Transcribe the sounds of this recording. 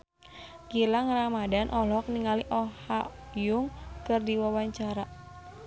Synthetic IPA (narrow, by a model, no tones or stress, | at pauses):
ɡilaŋramadanʔɔlɔk̚niŋaliʔɔhajʊŋkɨrdiwawaɲt͡ʃaɾa